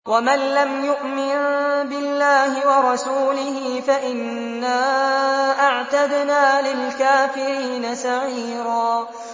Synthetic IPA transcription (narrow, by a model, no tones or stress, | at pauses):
wamanlamjʊʔmɪnbɪlːaːhɪwɑɾˤɑsuːlɪhɪːfaʔɪnː | aːʔaʕt̪ad̪naːlɪlkaːfɪɾiːnasaʕiːɾaː